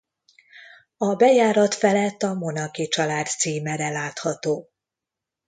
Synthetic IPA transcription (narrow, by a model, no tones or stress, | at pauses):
ɒbɛjaːɾɒt̪fɛlɛt̪ːɒmo̞nɒkit͡ʃɒlaːt̪siːmɛɾɛlaːt̪hɒt̪oː